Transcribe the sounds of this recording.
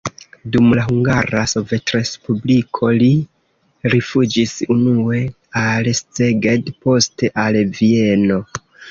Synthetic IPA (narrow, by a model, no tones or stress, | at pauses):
dumlaɦuŋɡaɾaso̞ve̞tɾe̞spublikʰo̞li | ɾifud͡ʒisunue̞ | alst͡seɡe̞dpo̞ste̞ʔalvie̞no̞